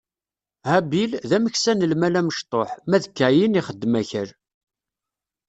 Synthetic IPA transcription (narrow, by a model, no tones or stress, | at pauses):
hæbilðæməçsænəlmælæməʃt̪ˤoħmæðəkːæjiniχəd̪ːmæçəɾ